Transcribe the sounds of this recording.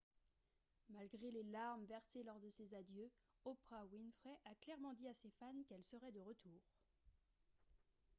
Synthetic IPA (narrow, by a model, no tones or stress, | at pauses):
malɡʁelelaʁmvɛʁselɔʁd̪əsezad̪jø | ɔpχawinfχɛʔaklɛʁmɑ̃d̪iasefankɛlsəʁɛd̪əʁət̪ʰuːʁ